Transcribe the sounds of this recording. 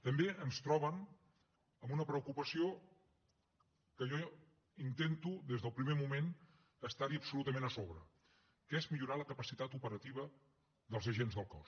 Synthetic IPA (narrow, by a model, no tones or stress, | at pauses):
t̪əmbeʔənst̪ɾɔβ̞ən | əmunəpɾəukupəsio | kəʒɔ | int̪ent̪uðezðəlˠpɾimemumen | əst̪aɾiəpsulut̪əmẽnəsoβɾə̰ | kɛzmiʎuɾaləkəpəsit̪at̪upəɾət̪iβ̞ə | ðəlˠzəʒenzðəlˠkɔs